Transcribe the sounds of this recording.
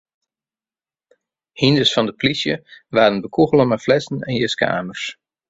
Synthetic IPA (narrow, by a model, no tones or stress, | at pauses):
hindəsfɑndəplisjə̰ʋaːdənbəkʰuɣəlˠəmaflɛsn̩ɛ̰njəskʰa̰ːmərs